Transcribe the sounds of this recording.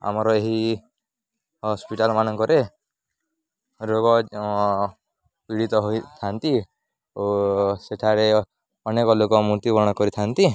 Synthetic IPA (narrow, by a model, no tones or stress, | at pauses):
a̰mɔɾɔeɦi | hɔspiʈalɔmanɔŋkɔɾe | ɾoɡɔ | piɽit̪ɔɦojt̪ʰant̪i | oseʈʰaɾe | ɔnekɔlokɔmut̪ibɔɽ̃ɔkɔɾit̪ʰant̪i